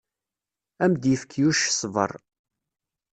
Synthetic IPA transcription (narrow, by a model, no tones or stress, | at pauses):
æmd̪jəfkʰːjuʃsˤvə̰rˤ